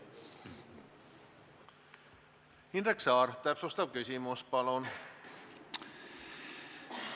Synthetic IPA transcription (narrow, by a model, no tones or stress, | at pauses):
hinreksɑːrt̪æpsost̪ɑʋkysimuspɑlon